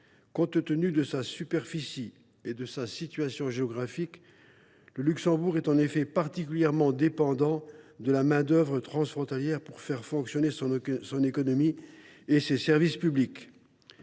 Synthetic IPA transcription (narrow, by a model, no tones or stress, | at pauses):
kɔ̃t̪t̪ənyd̪əsasypɛʁfisi | ed̪əsasit̪ɥasjɔ̃ʒeɔɡʁafik | ləlyksɑ̃buʁɛt̪ɑ̃nefɛpaʁt̪ikʲyljɛʁmɑ̃d̪epɑ̃d̪ɑ̃d̪əlamɛ̃d̪œvʁət̪χɑ̃sfχɔ̃t̪aljɛʁpuʁfɛʁfɔ̃ksjɔnesɔ̃nekɔnɔmi | esesɛʁvispyblik